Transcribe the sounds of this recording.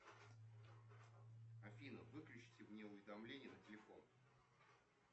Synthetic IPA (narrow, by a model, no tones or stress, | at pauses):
ɐfʲinəvɨklʲʉt͡ɕɪ̥tʲɪvnʲeʊvʲɪd̪ɐmlʲenʲɪjənətʲɪlʲɪfo̞̰n